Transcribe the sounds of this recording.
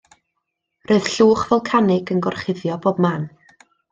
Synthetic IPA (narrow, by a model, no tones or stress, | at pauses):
roɨð̥ɬuːχvɛlˠkʰanɪɡənɡɔrχɪðjɔboːb̚maːn